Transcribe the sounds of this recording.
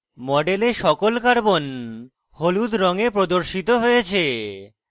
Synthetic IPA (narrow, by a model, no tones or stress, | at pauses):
mɔɖeleʃɔkolkaɾbon | holud̪ɾɔŋepɾod̪oɾʃit̪oɦojet͡ɕʰe